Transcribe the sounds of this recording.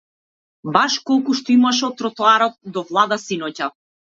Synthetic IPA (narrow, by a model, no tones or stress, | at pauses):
baʃkɔlˠkuʃt̪ɔimaʃɔt̪ːɾɔt̪ɔaɾɔt̪̚d̪ɔvlˠad̪asinɔca